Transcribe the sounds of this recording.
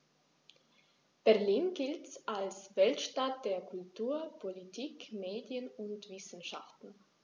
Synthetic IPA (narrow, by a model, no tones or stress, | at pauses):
b̥ɛɐliːnɡɪltsʔalsv̥ɛltʃtat̚d̥eːɐkʰʊltʰuːɐpʰolitʰiːkmeːdjənʊntv̥ɪsn̩ʃa̰ftn̩